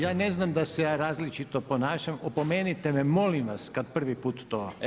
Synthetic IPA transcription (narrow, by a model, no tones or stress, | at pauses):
jaːneznamd̪asejaːɾaːzlit͡ʃit̪opo̞naːʃamopomeːnit̪ememo̞limʋaskad̪̚pr̩ʋipuːt̪ːoː